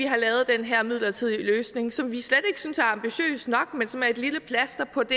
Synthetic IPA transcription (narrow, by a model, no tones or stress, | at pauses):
iɦɑ̈lɛːʊð̩ˠd̥enɦæɐ̰mið̞̰ˠlɐt͡sʰið̞̰ˠiløːsne̝ŋsɒ̽mʋisled̥e̝ɡ̥ə̥synsæɐɑ̈mb̥iɕø̰ːsd̥nɒ̽ɡ̥mensɒ̽mæɐe̝d̥liləpʰlæsd̥ɐpʰɒ̽d̥e